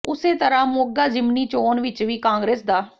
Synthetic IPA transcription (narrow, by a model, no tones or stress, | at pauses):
ʊseːt̪əɾãːmoːɡaːd͡ʒɪmniːt͡ʃoːnʋɪt͡ʃʋiːkãːŋɡɾeːsd̪aː